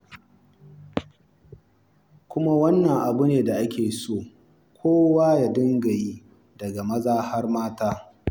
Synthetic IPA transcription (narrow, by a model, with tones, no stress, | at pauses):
kʷʊ˦ma˦wɐ˦nːɐ˨ŋʔa˨bʊ˦neː˨da˨ʔa˦kʲʰeː˨soː˦˨ | kʷʰoː˦waː˦ja˨dɪ˦ŋɡɐ˨ji˦ | dɐ˨ɡa˨mɐ˦zaː˦ha˦rmaː˦taː˦